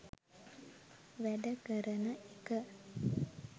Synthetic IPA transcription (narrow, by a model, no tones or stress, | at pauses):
ʋæɖəkəɾənəʔekə